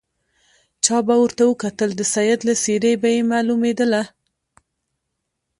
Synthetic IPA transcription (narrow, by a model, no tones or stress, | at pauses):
t͡ʃɑbawəɾt̪awəkat̪əld̪əsajad̪laseɾəjbajemalumed̪əla